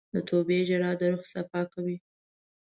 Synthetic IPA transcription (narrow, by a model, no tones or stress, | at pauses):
d̪ət̪ʰobeʒaɽɑd̪əɾoxsafɑkawi